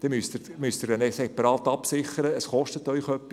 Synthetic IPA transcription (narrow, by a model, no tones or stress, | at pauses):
d̪̥ɛmyst̪ɪɾmyst̪ɪɾdɛnɛsɛpɑɾɑːt̪ːɑpsɪχəɾəːsχɔʃtət̪ːœʏχœpːi